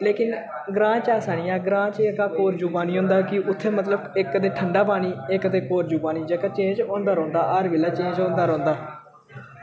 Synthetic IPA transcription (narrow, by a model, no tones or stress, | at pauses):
leːkɪn | ɡɾãːt͡ʃaːsaɳ̃iːãːɡɾãːt͡ʃeəkaːkoːɾd͡ʒuːbaːniːɦõːnd̪aːkɪʔʊt̪ʰːeːmət̪ləbɪkd̪eːʈʰəɳɖaːpaːniːɪkt̪eːkoːɾd͡ʒuːbaːniːd͡ʒəkaːt͡ʃẽːd͡ʒõːnd̪aːɾõːnd̪aːʔəɾʋeːlaːt͡ʃẽːd͡ʒõːnd̪aːɾõːnd̪aː